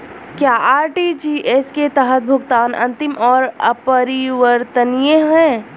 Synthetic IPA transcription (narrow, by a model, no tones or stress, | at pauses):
kjaːaːɾʈid͡ʒiːʔesket̪əɦət̪̚bʱʊɡt̪aːnʔɐ̰̃nt̪ɪmʔɔːɾəpəɾiʋəɾt̪ənijẽɦɛ̃ː